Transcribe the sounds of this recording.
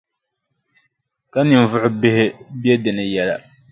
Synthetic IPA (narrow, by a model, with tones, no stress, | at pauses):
ka˦nɨ˨m˨vʊ˦ʔʊ˦bɪ˦hɪ˦bɛ˦dɨ˨nɨ˨jɛ˦la̰˨